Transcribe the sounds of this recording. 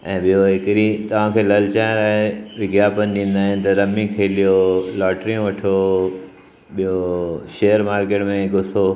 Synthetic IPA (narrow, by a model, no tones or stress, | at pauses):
ɛ̃ːɓijoɦɪkɪɗit̪ɐʋ̤ãkʰeːlɐlɪt͡ɕaːɪ̃ɾaːɦeʋɪɡjaːpənɗĩːnd̪aːɦɪnɪ̆t̪ɐɾɐmikʰeːlijolaːʈɾijũʋɐʈʰo | ɓijoʃeːəɾmaːɾkeːʈmẽkʊso